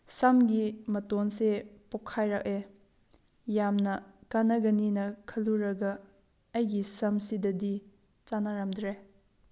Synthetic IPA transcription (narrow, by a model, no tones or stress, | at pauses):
samɡimɐtonsepɔkʰːajɾak̚e | jamnɐkanɐɡɐninɐkʰɐluɾɐɡɐ | ɐjɡisɐmsidɐdi | t͡ʃanaɾamdɾe